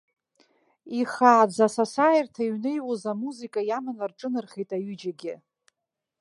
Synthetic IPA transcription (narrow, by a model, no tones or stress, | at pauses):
iχaːd͡zasasajirtʰaiɥnejwozamuzikʼajamanlarʈ͡ʂʼɨnɨrχejtʼaɥʏd͡ʒaɡʲɪ